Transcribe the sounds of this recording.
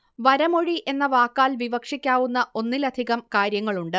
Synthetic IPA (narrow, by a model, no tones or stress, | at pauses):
ʋɐɾɐmo̞ɻie̞nːɐʋaːkːaːlʋiʋɐkʂikʲːaːʋunːɐo̞nːilɐd̪ʱiɣɐmkaːɾjɐŋːɐɭuɳɖɨ